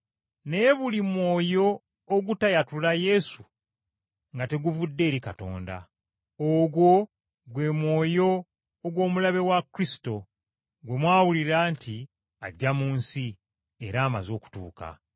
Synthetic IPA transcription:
ne̞ːβulimwo̞ːjo̞ː | ɡutajatulaje̞su | ŋɡate̞ɡuvudːe̞ːɾikato̞̰ːnda̰ | oɡwo̞ | ɡwe̞ːmwo̞ːjo̞ː | ɡwo̞ːmulaβe̞wakɾisi̥to̞ | ɡwe̞mwaːwuliɾaːntʰi | a̰ɟːamuːnsi | eɾaːma̰zo̞ːku̥tṵːka̰

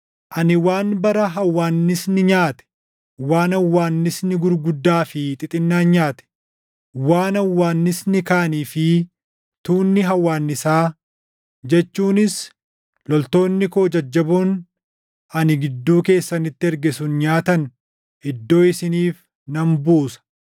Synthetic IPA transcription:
ʔɐnɪwaːnbɐɾɐɦɐwːaːnːɪsnɪɲaːt̪ɛ̥ | waːnɐwːaːnːɪsnɪɡʊɾɡʊd̪ːaːfɪt̪ʼɪt̪ʼɪnːaːnɲaːt̪ɛ̥ | waːnɐwːaːnːɪsnɪkaːniːfɪ | t̪uːnːɪɦɐwːaːnːɪsaː | d͡ʒɛt͡ʃːuːnɪs | lɔlt̪o̞ːnːɪkoːd͡ʒɐd͡ʒːɐbun | ɐnɪɡɪd̪ːuːke̞ːsːɐnɪt̪ːɪɛɾɡɛsʊnɲaːt̪ɐn | ɪd̪ːo̞ːɪsɪniːf | nɐmbuːsɐ̥

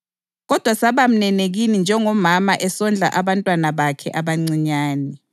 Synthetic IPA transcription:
ɣɔd̥ʱwasaβam̩nɛneɣinind͡ʒʱɛŋɔmamaʔɛsɔnd͡ɮʱa̰ʔaβantʼwanaβakʰɛ̰ʔaβaŋ͡ǀiɲaːnɛ

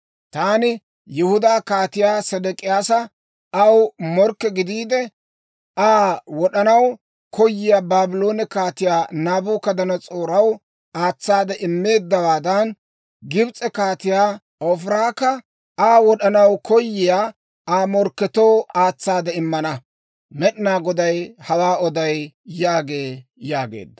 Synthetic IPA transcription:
t̪aːnɪ | jɪhʊd̪aːkaːt̪ɪjaːsɛd̪ɛkʼɪjaːsɐ | ɐwmɔɾkːɛɡɪd̪iːd̪ɛ | aːwɔɗɐnɐw | kɔjːɪjaːbaːbɪlo̞ːnɛkaːt̪ɪjaːnaːbuːkɐd̪ɐnɐt͡sʼoːɾɐw | aːt͡sːaːd̪ɛʔɪmːe̞ːd̪ːɐwaːd̪ɐn | ɡɪbt͡sʼɛkaːt̪ɪjaː | ɔfɪɾaːkɐ | aːwɔɗɐnɐwkʰɔjːɪjaː | aːmɔɾkːɛt̪oːaːt͡sːaːd̪ɛɪmːɐnɐ | mɛɗɪnaːɡɔd̪ɐjhɐwaːɔd̪ɐjjaːɡe̞ːjaːɡḛːd̪ːɐ̥

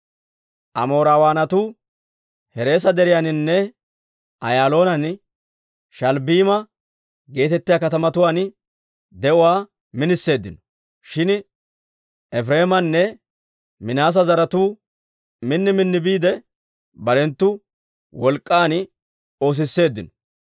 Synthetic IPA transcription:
ʔɐmo̞ːɾaːwaːnɐt̪uː | hɛɾe̞ːs̬ɐd̪ɛɾɪjanɪnːɛ | ʔɐjaːlo̞ːnɐn | ʃɐlbiːmɐ | ɡe̞ːt̪ɛt̪ːɪjaːkɐt̪ɐmɐt̪ʊwaːn | d̪ɛʔʊwaː | mɪnɪsːe̞ːd̪ːɪnɔ̥ | ʃɪn | ʔɛfɾe̞ːmɐnːɛ | mɪnaːs̬ɐzɐɾɐt̪uː | mɪnːɪmɪnːɪbiːd̪ɛ | bɐɾɛnt̪ːʊ | wɔlkʼːaːn | o̞ːs̬ɪsːe̞ːd̪ːɪnɔ̥

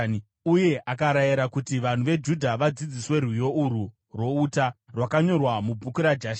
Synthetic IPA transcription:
uje̞ʔakaɾajiɾakutiʋan̤uʋe̞d͡ʒudʱaʋad͡zid͡ziswe̞rwijo̞uɾu | rwo̞uːtarwakaɲo̞rwamub͡vukuɾad͡ʒaʃ

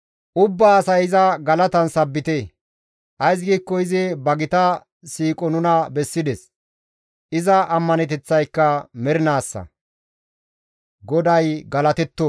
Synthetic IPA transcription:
ʔʊbːaːsɐjɪzɐɡɐlɐt̪ɐnsɐbːɪt̪e | ʔɐjs̬ɡiːkːɔɪzɪbɐɡɪt̪ɐ | siːkʼɔnʊnɐbɛsːɪd̪ɛs | ʔɪzɐʔɐmːɐnɛt̪ɛt͡sːɐjkːɐmɛɾɪnaːsːɐ̰ | ɡɔd̪ɐjɡɐlɐt̪ɛt̪ːɔ

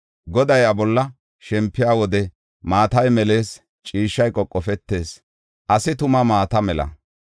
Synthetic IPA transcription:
ɡɔd̪ɐjɐbɔlːɐ | ʃɛmpːɪjaːwɔd̪ɛ | maːt̪ɐjmɛle̞ːs | t͡ʃʼiːʃːɐjkʼɔkʼːɔfɛt̪ːe̞ːs | ʔɐsɪt̪ʊmɐmaːt̪ɐmɛlɐ̰

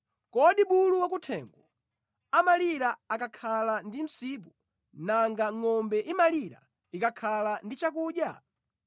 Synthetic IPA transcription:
kɔɗiɓuluwak̬utʰɛŋɡwɔ | amaliɾaakakʰalandim̩sip̬u | naŋɡaŋɔmbɛʔimaliɾa̰ | ikakʰalandit͡ʃak̬uːɗja

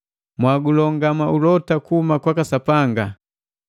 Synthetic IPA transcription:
mwaɡulɔŋɡamaulɔtakuumakwakasapaŋɡa

